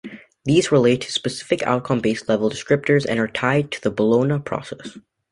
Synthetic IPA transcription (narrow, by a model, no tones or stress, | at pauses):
ðizɹɪleɪtʰːɨ̥spɨsɪ̥fɨkʰa̰ʊt̚kʰʌ̃mbeɪstˡlɛvl̩ˠdɨskɹɪp̚tə˞zɨ̰̃nə˞tʰaɪd̚tʰɨðəbəlõʊ̃nəpʰɹ̥ɔ̰sɛs